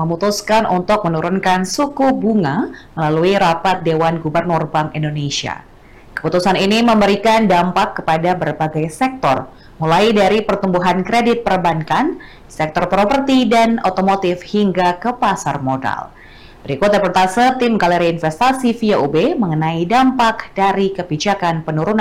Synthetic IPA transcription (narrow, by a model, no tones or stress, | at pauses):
məmut̪uskanʔṵnt̪ʊk̚mənuɾunkansukubuŋaməlaluiɾapat̪̚dewanɡubərnʊrbaŋindonesia̰ | kə̥put̪usaniniməmbəɾikandampakːəpadabərbaɡajsɛk̚t̪ɔ̰r | mulajdaɾipərt̪umbuɦankɾedɪt̪̚pərbankan | sɛk̚t̪ɔrpɾopərt̪idanot̪omot̪ɪfhiŋɡakəpasarmoda̰l | bəɾikut̪̚depɔrt̪asət̪imɡaleɾiinfɛst̪asifiaubeməŋənaidampakd̥aɾikəbid͡ʒakanpənuɾuna